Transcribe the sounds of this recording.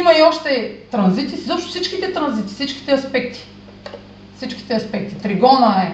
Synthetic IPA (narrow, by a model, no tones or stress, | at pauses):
imɐiɔʃt̪ɛt̪ɾɐnzit̪izɔpʃt̪ʊfsit͡ʃk̟it̪ɛt̪ɾɐnzit̪i̥fsit͡ʃk̟i̥t̪ɛɐspɛkt̪i̥ | fsit͡ʃk̟i̥t̪ɛɐspɛk̚t̪it̪ɾiɡɔnəɛ